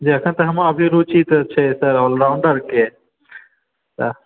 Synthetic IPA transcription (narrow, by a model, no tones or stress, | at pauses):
d͡ʒiəkʰənt̪əɦəmaəbʱiɾut͡ʃit̪t͡ʃʰɛsəɾɔlɾaʊɳɖəɾke | t̪ə